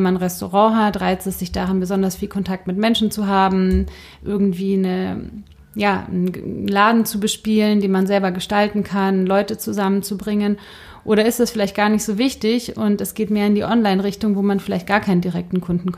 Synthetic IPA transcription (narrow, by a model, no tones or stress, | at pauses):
manʁɛsto̰ʁɑ̃ːɦatʁaɪt͡stɛsz̥ɪçd̥aʁanbəzɔndɐsfiːlkʰɔntʰak̚tmɪtmɛnʃn̩t͡suɦaːbm̩ | ʔɪɐɡŋ̩tv̥iːnə | jaː | laːdn̩t͡subəʃpiːləndeːnmanzɛlbɐɡəʃtaltn̩kʰanlɔʏtət͡suzamənt͡subʁɪŋən | ʔoːɾɐɪstd̥ɛsfɪlaɪçtɡ̥aːɐnɪçtz̥oːvɪçtɪçʊntɛsɡ̥eːtmeːɐɪndiːʔɔnlaɪnʁɪçtʊŋvoːmanfɪlaɪçt̚ɡ̥aːɐkʰaɪnəndiʁɛk̚tn̩kʰʊndn̩kʰ